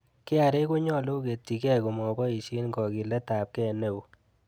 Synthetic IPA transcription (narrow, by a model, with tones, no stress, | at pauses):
kɪ˦a˨ɾe˦ko˦ɲɔ˦lo˦ke˨tːi˨kɛ˦ko˨mɔ˨bɔ˦i˨ʃi˦nɡɔ˨ki˨lɛ˦ta˨p̚kɛ˦ne˨w